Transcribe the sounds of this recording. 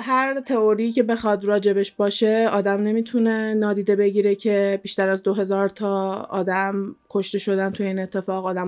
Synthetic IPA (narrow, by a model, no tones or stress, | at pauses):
ɦæɾt̪ʰe̞oɾiːcʰe̞be̞xɒd̪ɾɒːd͡ʒe̞be̞ʃbɒːʃe̞ɒːd̪æmne̞miːt̪ʰune̞nɒːd̪iːd̪e̞be̞ɟiːɾecʰe̞biʃt̪æɾæzd̪o̞ɦe̞zɒːɾt̪ʰɒːɒ̰ːd̪æmkʰo̞ʃt̪e̞ʃo̞d̪ænt̪ʰujeiːne̞t̪ʰːe̞fɒːɣɒːd̪æm